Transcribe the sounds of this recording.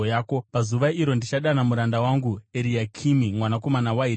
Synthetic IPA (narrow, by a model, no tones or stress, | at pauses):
jaːko̞pazuʋaiɾo̞ndit͡ʃaɗanamuɾandawaŋɡueɾiakʰimimwanako̞manawai